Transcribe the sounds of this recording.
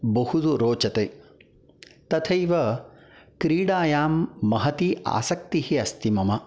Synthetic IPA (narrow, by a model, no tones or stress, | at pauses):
bɐhud̪uɾoːt͡ʃɐt̪eː | t̪ɐt̪ʰɐiʋɐ | kɾiːɽaːjaːmːɐɦɐt̪ia̰ːsɐk̚t̪ihiɐst̪imɐmɐ